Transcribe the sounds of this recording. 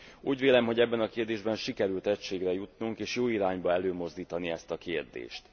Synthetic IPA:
uːɟʋeːlɛmɦo̞ɟɛbːɛnɒkeːrd̪eːʒbɛnʃikɛɾylt̪ɛcʃeːɡrɛjut̪nuŋkeːʃjoːiɾaːɲbɒɛløːmo̞zd̪iːt̪ɒniɛst̪ɒkeːrd̪ḛːʃt̪

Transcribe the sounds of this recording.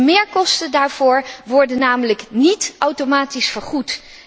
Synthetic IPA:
mɪːɹkɔstədaːɹv̥ʊːɹʋɔɹdənːaːmələknitʔawtomaːtisfəɹχut

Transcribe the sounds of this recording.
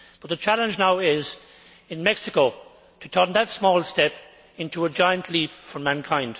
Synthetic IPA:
b̥ʌt̪̚ðət͡ʃʰælə̃nd͡ʒnaʊɪz | ɪ̃nmɛksɪkoʊ | tʰətʰɜ̃˞nðətsmɔːlˠstɛp | ɪ̃ntuəd͡ʒaɪə̃nʔʰlipfɹə̃˞mæ̃nkʰãɪ̃nd̥

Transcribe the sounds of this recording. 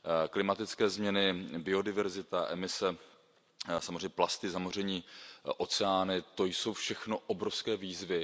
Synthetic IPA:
klɪmat̪ɪt͡skɛːzmɲɛnɪbɪo̞dɪvɛɾzɪt̪aʔɛmɪsɛ | samozreɲɛplast̪ɪzamor̝ɛɲiːʔo̞t͡sɛaːnɪt̪o̞jso̞wfʃɛxno̞ʔobɾofskɛːviːzvɪ

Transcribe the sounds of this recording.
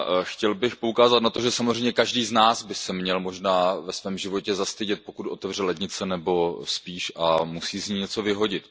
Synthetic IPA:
xcɛlbɪxpoukaːzat̪nat̪o̞ʒɛsamozrɛjmɲɛkaʒdiːznaːsbɪsɛmɲɛlmo̞ʒnaːvɛsvɛːmʒɪvo̞cɛzast̪ɪɟɛt̪̚po̞kut̪ʔo̞t̪ɛvr̝ɛlɛd̪ɲɪt͡sɛnɛbo̞spiːʃʔamusiːzɲiːɲɛt͡so̞vɪɦo̞ɟɪt̪

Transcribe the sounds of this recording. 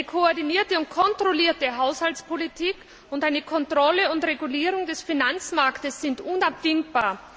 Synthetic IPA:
əkʰoɔɐdiniːɐtəʊntkʰɔntʁ̥oliːɐtəɦaʊshaltt͡sspʰolitʰiːk | ʊntaɪnəkʰɔntʁ̥ɔləʊntʁeɡuliːʁ̞ʊŋdɛsfinant͡smaɐktəsz̥ɪntʔʊnapv̥ɪŋb̥aːɐ

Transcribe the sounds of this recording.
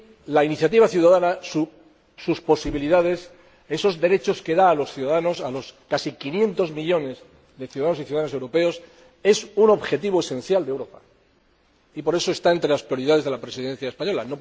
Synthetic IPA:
lainiθjat̪̬iβaθjuðaðanasu | suspo̞siβiliðað̞e̞s | e̞so̞zðe̞ɾe̞t͡ʃo̞ske̞ðaːlo̞sθjuðaðano̞salo̞skasikinjẽ̞nt̪o̞zmiʎo̞ne̞z | ðe̞θjuðaðanosiθjuðaðano̞se̞wɾo̞pe̞o̞s | e̞suno̞βxe̞t̪̬iβo̞e̞sẽ̞nθjald̪ewɾo̞pa | ipo̞ɾe̞so̞e̞st̪ae̞nt̪ɾe̞laspɾio̞ɾiðaðe̞zðelapɾe̞siðe̞n̟θjaespaɲo̞lano̞

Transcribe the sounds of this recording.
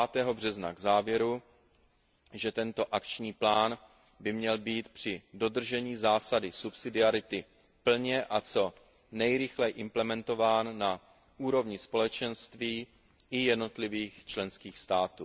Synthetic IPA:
aːt̪ɛːɦo̞br̝ɛzna̰ɡzaːvjɛɾu | ʒɛt̪ɛnt̪o̞ʔakt͡ʃɲiːplaːn | bɪmɲɛlbiːt̪pr̝̥ɪdo̞d̪r̩ʒɛɲiːzaːsadɪsupsɪdɪaɾɪt̪ɪ | pl̩ɲɛʔat͡so̞ | nɛjɾɪxlɛjʔɪmplɛmɛnt̪o̞vaːnːa | ʔuːɾo̞vɲɪspo̞lɛt͡ʃɛnst̪viː | ʔɪjɛdno̞t̪lɪviːxt͡ʃlɛnskiːxst̪aːt̪uː

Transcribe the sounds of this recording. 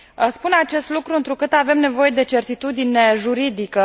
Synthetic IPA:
əspunat͡ʃe̞st̪lukɾuɨnt̪ɾukɨt̪ave̞mne̞vo̞je̞d̪e̞t͡ʃe̞rt̪it̪ud̪ine̞ʒuɾid̪ikə

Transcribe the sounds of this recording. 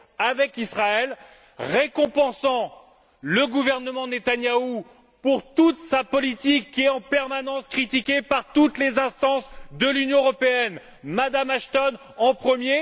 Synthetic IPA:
avɛkisχaɛl | ʁekɔ̃pɑ̃sɑ̃ | ləɡuvɛʁnəmɑ̃net̪anjau | puʁt̪ut̪sapɔlit̪ikːiɛɑ̃pɛʁmanɑ̃skχit̪ikʲepaʁt̪ut̪lezɛ̃st̪ɑ̃sd̪əlynjɔ̃əʁɔpeɛn | mad̪amaʃt̪ɔn | ɑ̃pχəmje

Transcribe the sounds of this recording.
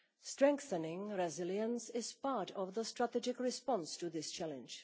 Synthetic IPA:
stɹɛ̃ŋkθənɪ̃ŋɹɛzɪlˠjə̃nsɪz̥paɹɾɔvðəstɹatɛd͡ʒɪkɹɪspɑ̃nstuðɪst͡ʃʰælɨ̰̃nd͡ʒ̥

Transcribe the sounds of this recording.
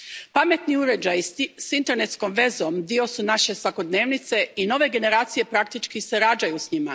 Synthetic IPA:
pame̞t̪niuɾe̞d͡ʒajsint̪e̞ɾne̞t̪sko̞mʋe̞zomd̪io̞sunaʃe̞sʋako̞d̪ne̞ːʋnit̪se̞ino̞ʋe̞ɡe̞ne̞ɾaːt̪sije̞pɾak̚t̪it͡ʃkiseɾad͡ʒajusɲima

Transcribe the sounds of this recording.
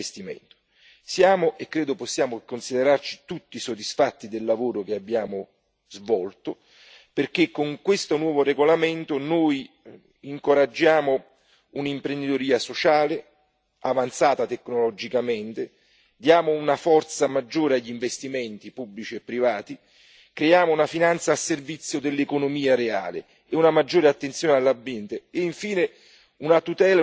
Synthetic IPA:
st̪imḛnt̪ʊ̥ | sjaːmoʔekːɾeːd̪ʊposːjaːmokonsid̪eɾart͡ʃi̥t̪ut̪ːisod̪isfat̪ːid̪elːavoːɾok̟eabːjaːmo | zvɔlt̪o | perk̟ekːoŋkwest̪onwɔːvoreɡolament̪ʊnoːj | iŋkoɾad͡ʒːaːmo | unimpɾend̪it̪oɾiːasot͡ʃaːle | avant̪saːt̪at̪ɛkːnolɔd͡ʒikamɪnt̪ɪ | d̪jaːmoːnafɔrt̪samad͡ʒːoːɾeaʎːiɱvest̪iment̪ipubːlit͡ʃiepːɾivaːt̪i | kɾejaːmounafinant̪saːservit̪sːjod̪elːekonomiːaɾea̰ːlḛ | eunamad͡ʒːoːɾeat̪ːent̪sjɔːnealːabːjɛnt̪eːiɱfiːnɪ | unat̪ut̪ɛːl

